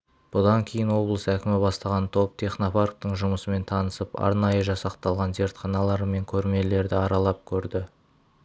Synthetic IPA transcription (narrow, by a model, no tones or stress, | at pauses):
b̥ʊd̪ɑŋkʲʰe̞jɪnwo̞blˠəsækʲɪmɪbɑst̪ɑʁɑnt̪ʰo̞p̚t̪ʰeχno̞park̚t̪əɴʒʊməsəme̞nt̪ʰɑnəsəpɑ̰ɾnɑjəʒɑsɑqt̪ɑlˠʁɑnze̞ɾt̪χɑnɑlˠɑɾəme̞ŋkʲʰɵɾme̞le̞ɾd̪ɪɑɾɑlˠɑp̚kʲʰɵɾd̪ɪ